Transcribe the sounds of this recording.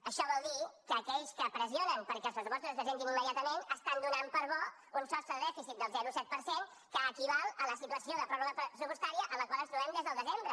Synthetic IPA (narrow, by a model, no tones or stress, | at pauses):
əʃɔβɔlˠd̪ikəːkɛʎskəpɾəzionənpəɾkɛlˠspɾəsupɔst̪ɾuzðəzeŋɡ̪inimːəðijat̪əmenəst̪and̪unampəɾβɔ | unsɔst̪ɾəðəðɛfisit̪̚d̪əlˠzɛɾusɛt̪̚pəɾseŋ | kəːkiβalˠələsit̪uəsioðəpɾɔβəpəsupust̪aɾiəʔələkwalənt̪ɾuβɛmd̪ezðəlˠd̪əzembɾə